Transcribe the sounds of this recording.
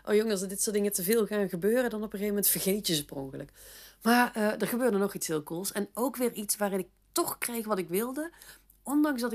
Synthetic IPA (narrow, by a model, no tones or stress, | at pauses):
ʔo̰ːjɔŋlsədɪtsʊːtdɪŋətəvɪːlˠɣaːnɣəbøːrədɑnɔpəɣejvəmɛntfərɣejtjəsəsprɔŋkələkmaːrədəɹɣəbøːrdənɔχitshɪːlˠkulˠsɛnowkʋɪːrʔitsʋaːrɪnɪk̚tɔxkrɛjxʋɑtɪkʋɪlˠdə | ʔɔndɑŋsdɑɪ